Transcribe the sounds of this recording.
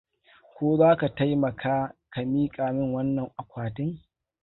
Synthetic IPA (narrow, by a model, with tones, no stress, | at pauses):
kʷoː˦zaː˦ka˨ta˦jmɐ˨kʰaː˦ka˨miː˦kʼaː˨mɪ˦ŋwɐ˦nːɐ˨ŋʔa˨kʷaː˨tɪ˦ŋ